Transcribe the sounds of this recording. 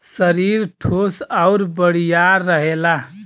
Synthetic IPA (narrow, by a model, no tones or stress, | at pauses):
səɾiɾʈʰosaʊɾbəɽijaːəɦela